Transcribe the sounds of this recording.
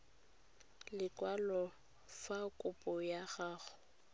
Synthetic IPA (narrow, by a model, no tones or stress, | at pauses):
lɪkʼwalɔ | fakʼʊpʼɔjaɣaːɣʊ